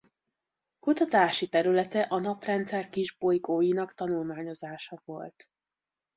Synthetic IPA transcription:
kut̪ɒt̪aːʃit̪ɛɾylɛt̪ɛʔɒnɒprɛnt̪sɛrkiʒbo̞jɡoːjinɒkt̪ɒnulmaːɲo̞zaːʃɒvo̞lt̪

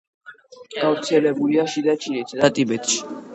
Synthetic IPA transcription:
ɡ̥avɾt̪sʰɛlɛbuliaʃid̪at͡ʃʰinit̪ʰd̪at̪ʼibɛt̪ʰʼʃi̥

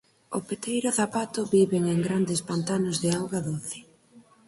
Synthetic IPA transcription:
ʊpet̪ejɾʊθapat̪ʊβiβeŋeŋɡɾand̪ɪspant̪anʊzðɪawɣaðoθɪ̥

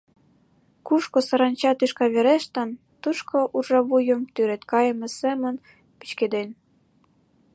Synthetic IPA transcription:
kuʃkosɑɾɑnt͡ɕɑt̪yʃkɑβeɾeʃt̪ə̆n | t̪uʃkʰoʔurʒɑβujə̆mt̪yɾet̪kɑjəmĕsemə̆n | pi̥t͡ɕked̪en

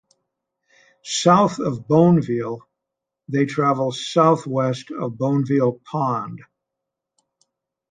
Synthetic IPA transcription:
saʊθʌvbõʊ̃nvilˠ | ðeɪtʰɹ̥ævl̩ˠsaʊθwɛstʌ̰vbõʊ̃nvilˠpʰɑ̃nd̥

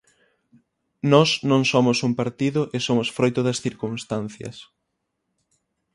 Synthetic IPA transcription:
nɔsnõŋsomʊsumpaɾt̪iðʊʔesomʊsfɾojt̪ʊðɐsθiɾkuŋst̪anθjɐ̰s

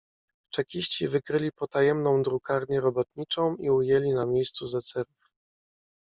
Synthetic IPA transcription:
t͡ʂɛkʲiɕt͡ɕivɘkɾɘlʲipɔt̪ajɛmnɔ̃w̃d̪ɾukaɾɲɛɾɔbɔt̪̚ɲit͡ʂɔ̃w̃iujɛlʲinamʲjejst̪suzat̪sɛɾuf

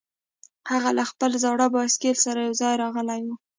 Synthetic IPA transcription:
haɣalaxpəlzawɽabɑskelsaɾajawzɑjɾɑɣəlajwu

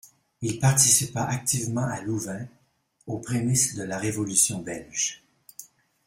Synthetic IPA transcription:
ilpaʁt̪isipaʔak̚t̪ivmɑ̃aluvɛ̃ | opχemisd̪əlaʁevɔlysjɔ̃bɛlʒ̥

